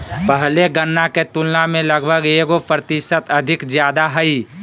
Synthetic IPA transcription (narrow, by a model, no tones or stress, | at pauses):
pəɦleɡənːaket̪ulnamẽləɡbʱəɡeːɡopɾət̪ɪʃət̪əd̪ʱɪkd͡ʒjaːd̪aɦəi